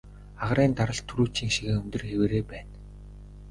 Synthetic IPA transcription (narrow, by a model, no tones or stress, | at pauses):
aʁɾiːnt̪aɾə̆ɮt̪ʰːuɾuːt͡ɕiːŋʃiɣɘ̆ŋɵmʲt̪ɵ̆rxeweːɾeːpæːn